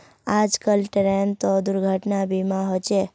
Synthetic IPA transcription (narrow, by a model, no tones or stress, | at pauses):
ad͡ʒkəlʈɾent̪od̪ʊɾɡʱəʈnabimãɦot͡ʃe